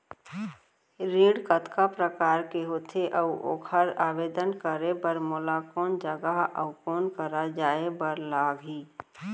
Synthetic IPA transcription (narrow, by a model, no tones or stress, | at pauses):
ɾĩːɽkət̪kapɾəkaːɾkeɦoːt̪ʰeʔəʔo̰ːkʰəɾaːʋeːd̪ənkəɾebəɾmolakɔːnd͡ʒəɡəɦə̰ʊkɔːnkəɾad͡ʒaːebəɾlaːɡɦiː